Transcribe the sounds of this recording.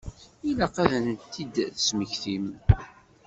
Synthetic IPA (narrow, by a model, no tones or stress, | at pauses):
ilæqæðənt̪ːid̪θəsməçθim